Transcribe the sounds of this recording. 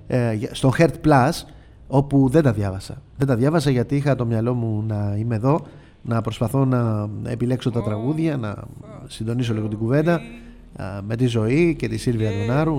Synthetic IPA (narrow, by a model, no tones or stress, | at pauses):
st̪o̞xe̞ɾt̪plɐs | o̞puðe̞nd̪ɐðjʝɐvɐsɐðe̞nd̪ɐðʝɐvɐsɐʝɐt̪iixɐt̪o̞mɲɐlo̞munɐime̞ðo̞ | nɐpɾo̞spɐθo̞nɐḛpile̞kso̞t̪ɐt̪ɾɐɣuðʝɐnɐ̰sind̪o̞nis̬o̞liɣot̪iɡuve̞nd̪ɐ | me̞t̪izo̞ice̞t̪isilviɾɐt̪onɐɾu